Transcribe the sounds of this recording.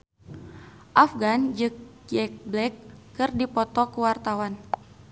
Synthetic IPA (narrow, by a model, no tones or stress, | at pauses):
ʔafɡand͡ʒɨk̚ɛk̚blɛkːɨrdipɔt̪ɔkəwart̪awan